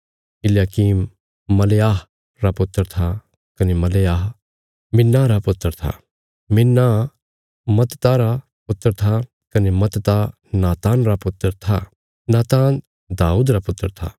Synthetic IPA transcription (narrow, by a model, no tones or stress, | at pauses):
kɪljaːkiːmː | ɐlejaːɦ | ɾapʊt̪ːəɾt̪ʰa | kɐnemɐlejaːɦ | mɪnːaɾapʊt̪ːəɾt̪ʰa̰ | mɪnːa | mɐt̪t̪aɾa | pʊt̪ːəɾt̪ʰa | kɐnemɐt̪t̪a | naːt̪aːnɾapʊt̪ːəɾt̪ʰa | naːt̪aːn | d̪aːuːd̪ɾapʊt̪ːəɾt̪ʰa̰